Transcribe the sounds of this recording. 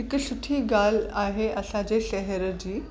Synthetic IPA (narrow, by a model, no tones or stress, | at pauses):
ikəɕuʈʰiːɡalaɦeʔəsãd͡ʑeɕɛɦɛɾəd͡ʑiː